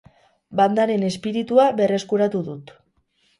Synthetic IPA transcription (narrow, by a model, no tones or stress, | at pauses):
band̪aɾe̞ne̞spiɾit̪uaβe̞re̞skuɾat̪uðut̪